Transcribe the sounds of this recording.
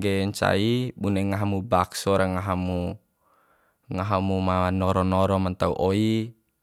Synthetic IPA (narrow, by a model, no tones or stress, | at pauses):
ɡɛɲt͡ʃa̰ibunɛŋaɦamubaksɔɾaŋaɦamu | ŋaɦamumanɔɾɔnɔɾɔmant̪aṵʔoi